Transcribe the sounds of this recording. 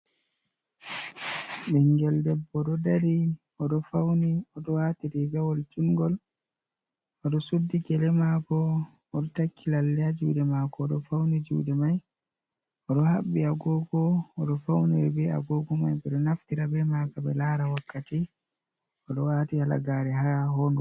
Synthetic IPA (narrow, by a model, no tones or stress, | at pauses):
ɓɛŋɡɛldɛbːɔɗɔdaɾi | ɔɗɔfawniɔɗɔwaːtiɾiɡawɔld͡ʒuŋɡɔl | ɔɗɔsudːikɛlɛmakɔː | ɗɔtakʰːilalːɛad͡ʒudɛmakɔːɗɔfawnid͡ʒṵːdɛmaj | ɔɗɔhaɓːiaɡɔɡɔːɗɔfawniwɛbɛa̰ɡɔːɡɔmajbɛɗɔnaftiɾabɛmakabɛlaɾawakːati | ɔɗɔwatihala̰ɡaɾɛɦahɔnɔ